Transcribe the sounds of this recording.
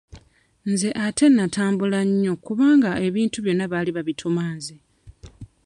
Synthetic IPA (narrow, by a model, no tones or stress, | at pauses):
nze̞ʔatʰe̞nːatʰaːmbulaɲːo̞kuβaːŋɡae̞βiːntuβjo̞nːaβaːliβaβitʰumaːze